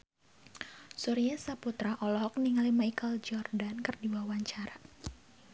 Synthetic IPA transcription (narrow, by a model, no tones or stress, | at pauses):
suɾijasaput̪ɾaʔɔlɔɦɔk̚niŋalimaikəld͡ʒɔrdankɨrdiwawaɲt͡ʃaɾa